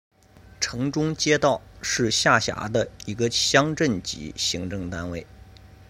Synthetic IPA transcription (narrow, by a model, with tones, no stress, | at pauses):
ʈ͡ʂʰɤ˧˥ŋʈ͡ʂʊ˥ŋt͡ɕjɛ˥t̪ɑ˥˩ʊʂɻ̩˥˧ɕja˥˩ɕja̰˧˥d̪ə˧i˧˥ɡə˧ɕjɑ˥ŋʈ͡ʂə˥˩nt͡ɕḭ˧˥ɕi˧˥ŋʈ͡ʂɤ˥˧ŋt̪a˥nwe˥˩ɪ